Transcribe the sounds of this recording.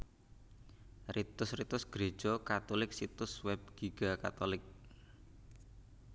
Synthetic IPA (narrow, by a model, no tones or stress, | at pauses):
rit̪ʊsrit̪ʊsɡ̥ɾe̥ʒ̥ɔkat̪ɔlɪksit̪ʊswɛb̚ɡ̥iɡ̥aka̰t̪olɪk̚